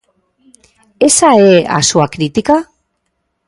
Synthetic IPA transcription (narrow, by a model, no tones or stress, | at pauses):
e̞saea̰soakɾit̪ika